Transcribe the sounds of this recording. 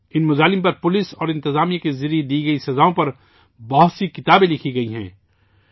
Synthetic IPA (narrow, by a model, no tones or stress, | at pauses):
ɪnmʊzaːlɪmpɐɾpʊlɪsɔːɾɪ̃nt̪ɪzaːmijãkezɪɾied̪iːɡɐisɐzaːõpɐɾ | bɔɦʊt̪sikɪt̪aːbẽlɪkʰiɡɐiɦɛ̰̃ː